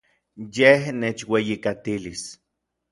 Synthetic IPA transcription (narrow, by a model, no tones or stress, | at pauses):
jehneːt͡ʃwejikat̪ilis